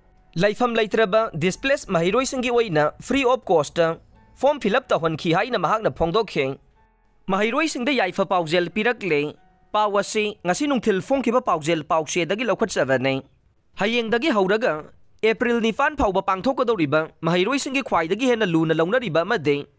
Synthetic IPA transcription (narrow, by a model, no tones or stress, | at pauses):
lɐjpʰɐmlɐjtɾɐbɐdisplesmɐɦɐjɾojsiŋɡiojnɐpʰɾiop̚kostɐ | pʰompʰilɐp̚tɐwɦɐnkʰiɦajnɐmɐɦak̚nɐpʰoŋdokʰːi | mɐɦɐjɾojsiŋdɐjajpʰɐpawzelpiɾɐk̚le | pawɐsiŋɐsinuŋtʰilpʰoŋkʰibɐpawzelpawsedɐɡilɐwkʰɐt̚sɐbɐne | hɐjeŋdɐɡiɦɐwɾɐɡɐ | epɾilnipʰanpʰawbɐpaŋtʰokːɐdɐwɾibɐmɐɦɐjɾojsiŋɡikʰwajdɐɡihenːɐlunɐlɐwnɐɾibɐːmɐdi